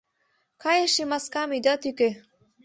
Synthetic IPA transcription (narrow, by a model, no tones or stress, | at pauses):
kajeʃimaskamid̪at̪yke